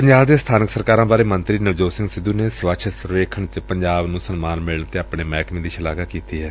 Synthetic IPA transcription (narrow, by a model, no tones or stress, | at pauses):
pəɲd͡ʒaːbd̪eːst̪ʰaːnɪksəɾkaːɾãːbaːɾeːmə̃nt̪ɾiːnɪʋd͡ʒoːsɪ̃ŋɡsɪd̪uːnesʋaːt͡ʃʰəsəɾʋeːkʰəɳt͡ʃpəɲd͡ʒaːbnũːsənmaːnmɪləɳt̪eːapɳeːmɛːkmẽːd̪iːʃɪlaːɡakiːt̪iːɦɛː